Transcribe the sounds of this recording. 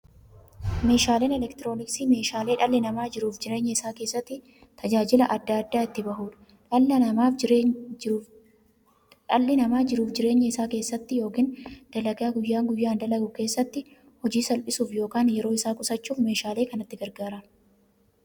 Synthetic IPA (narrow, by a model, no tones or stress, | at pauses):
me̞ːʃaːleːnɛlɛkt̪ɪɾo̞ːnɪksiːme̞ːʃaːle̞ːᶑɐlːɪnɐmaːd͡ʒɪɾuːfd͡ʒɪɾe̞ːɲːɐɪsaːke̞ːsːɐt̪ːɪ | t̪ʰɐd͡ʒaːd͡ʒɪlɐʔɐd̪ːaːd̪ːaːɪt̪ːɪbɐɦuːᶑɐ̥ | ᶑɐlːɐnɐmaːf | ᶑɐlːɪnɐmaːd͡ʒɪɾuːfd͡ʒɪɾe̞ːɲːɐɪsaːke̞ːsːɐt̪ːɪjo̞ːkiːnd̪̥ɐlɐɡaːɡʊjːaːŋɡʊjːaːnd̪ɐlɐɡʊke̞ːsːɐt̪ːɪ | hɔd͡ʒiːsɐlpʼɪsuːfjo̞ːkaːnjɛɾo̞ːɪsaːkʼʊsɐt͡ʃːuːfme̞ːʃaːle̞ːkɐnɐt̪ːɪɡɐɾɡaːɾɐ